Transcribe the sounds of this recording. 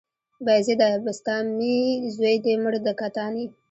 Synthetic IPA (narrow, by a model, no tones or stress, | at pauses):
bazed̪abɪst̪ɑmizwejd̪emʊɽd̪əkat̪ɑni